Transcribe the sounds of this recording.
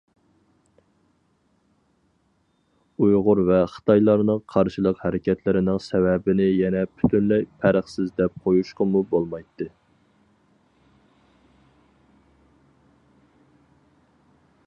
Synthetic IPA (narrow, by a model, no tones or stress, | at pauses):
ujʁʊɾvɛχə̥t̪ʰɑjlˠɑɾnɨŋqʰɑɾʃɨlˠəqhæɾɪkʲɛt̪lɪɾɪnɪŋsɛvɛbɪnɪjɛnɛpʰy̥t̪ʰynlɛjpʰæɾəχsɪzd̪ɛp̚qʰojuʃqɑmubolˠmɑjt̪ːɨ